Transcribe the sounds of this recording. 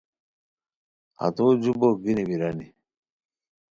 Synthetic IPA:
a̰t̪oːd͡ʑuboɡiniwiɾani

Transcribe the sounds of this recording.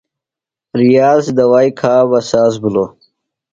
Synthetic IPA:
ɾijaːzd̪ɐwaːjkʰaːwɐsaːzbulo

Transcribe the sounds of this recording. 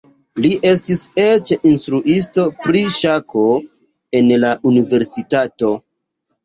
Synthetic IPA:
liʔe̞stiset͡ʃinstɾuʔis̬to̞pɾiʃako̞ | e̞nlaʔunive̞ɾsitato̞

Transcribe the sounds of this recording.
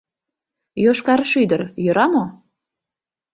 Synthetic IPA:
joʃkɑɾəʃyd̪ərjøɾɑmo

